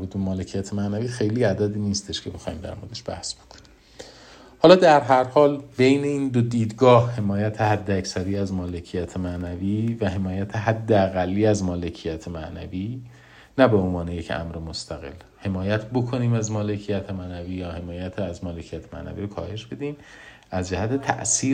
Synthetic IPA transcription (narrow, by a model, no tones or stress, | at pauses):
buːd̪bemɒːlecʰijæt̪ʰemænæviːxe̞jliːæd̪æd̪iːniːst̪e̞ʃcʰebe̞xɒːimd̪æ̰ɾmod̪eʃb̥æ̰hsb̥o̞kʰo̥ni̥mm | hɒːlɒːd̪æɾɦæɾhɒːlbe̞jne̞iːnd̪od̪iːd̪ɡɒːhhe̞mɒːjæt̪ʰehæd̪ːeæcsæɾiːæzmɒːle̞cʰijæt̪ʰemæʔnæviːvæɦe̞mɒːjæt̪ʰeɦæd̪ːeæɣælːiːæzmɒːle̞cʰijæt̪ʰemæʔnæviː | næbe̞onvɒːnejecʰæ̰mɾemost̪ʰæɣe̞̰l | he̞mɒːjæt̪ʰbo̞kʰo̞niːmæzmɒːlecʰijæt̪ʰemænæviːjɒːhe̞mɒːjæt̪ʰæzmɒːle̞cʰijæt̪ʰe̥mæ̰ʔnæ̰viːɾokʰɒːhe̞ʃb̥e̞d̪iːm | æzd͡ʒæhæt̪ʰe̞t̪ʰæ̰ʔsiːɾ